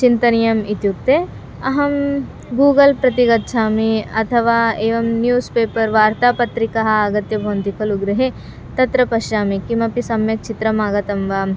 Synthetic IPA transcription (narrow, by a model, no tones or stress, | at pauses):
t͡ʃint̪ɐnijɐmit̪juk̚t̪e | ɐɦɐm | ɡuːɡɐlpɾɐt̪iɡɐt̪ːʃʰaːmiɐt̪ʰɐʋaːeːʋɐmnjuːspeːpɐɾʋaːɾt̪aːpɐt̪ɾikɐɦɐ̆ɐɡɐt̪jɐbʱɐːɐnt̪ikʰɐluɡɾɐɦe | t̪ɐt̪ɾɐpɐʃjaːmikimɐpisɐmjɐk̚t͡ʃit̪ɾɐmaːɡɐt̪ɐmʋaːm